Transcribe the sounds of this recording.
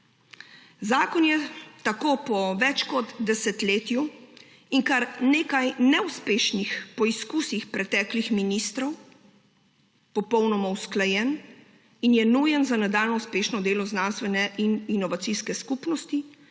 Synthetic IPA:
zaːkɔnjɛt̪akoːpɔʋɛt͡ʃkɔd̪d̪ɛsɛt̪leːt̪ju | iŋkaɾneːkajnɛuspeːʃnixpɔiskusixpɾɛt̪ɛːklixminist̪ɾɔw | pɔpɔwnɔmɔwsklajɛn | injɛnujɛnzanad̪aːlnɔuspeːʃnɔd̪eːlɔznaːnst̪ʋɛnɛʔininɔʋat̪siskɛskupnɔst̪i

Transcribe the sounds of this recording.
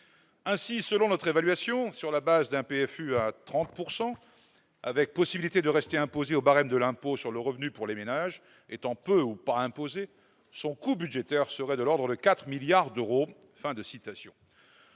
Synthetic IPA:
ɛ̃sisəlɔ̃nɔt̪χevalɥasjɔ̃syʁlabazd̪ɛ̃peɛfyat̪χɑ̃t̪̚puʁsɑ̃ | a̰vɛk̚pɔsibilit̪ed̪əʁɛst̪eɛ̃pozeobaʁɛmd̪əlɛ̃posyʁləʁəvnypuʁlemenaʒ | et̪ɑ̃pøupaɛ̃poze | sɔ̃kubyd̪ʒet̪ɛʁsəʁɛd̪əlɔʁd̪ʁəd̪əkat̪χəmiljaʁd̪øʁo | fɛ̃d̪əsit̪asjɔ̰̃

